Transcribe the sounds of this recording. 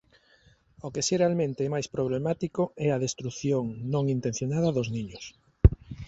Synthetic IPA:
okesirealmẽnt̪eɛmajspɾoβ̞lemat̪ikoɛɐðest̪ɾuθjoŋnõŋint̪ẽn̟θjonaðɐðozniɲʊs

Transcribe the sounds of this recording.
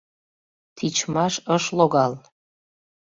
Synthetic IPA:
t̪ʰit͡ɕmɑʃəʃloɣɑl

